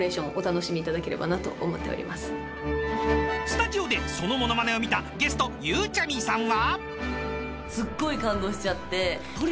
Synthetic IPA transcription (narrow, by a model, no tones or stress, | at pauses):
ɾe̞ːɕõɰ̃ʔot̪ano̞ɕimʲiːt̪ad̪ake̞ɾe̞ba̰nat̪o̞̰ʔomo̞t̪ːe̞oɾʲḭmʔasɨ̥ | sɨ̥t̪ad͡ʑio̞d̪e̞so̞no̞mo̞no̞mane̞o̞mʲit̪aɡe̞sɨ̥t̪o̞jɯːt͡ɕamʲisãɰ̃βa | sɨɡːo̞ikãnd̪o̞ːɕi̥t͡ɕat̪ːe̞ | oɾ